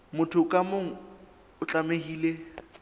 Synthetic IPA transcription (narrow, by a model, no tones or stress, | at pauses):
mʊtʰʊkʼamoŋ̩ | ʊt͡ɬʼameɦiːle